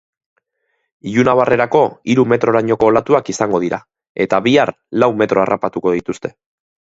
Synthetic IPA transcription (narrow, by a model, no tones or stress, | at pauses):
ʎunaβarʔe̞ɾako̞iɾume̞t̪ɾo̞ɾaɲo̞ko̞ːlat̪uakisaŋɡo̞ð̞iɾa | e̞t̪aβiar | lawme̞t̪ɾo̞arʔapat̪uko̞ð̞it̪ust̪e̞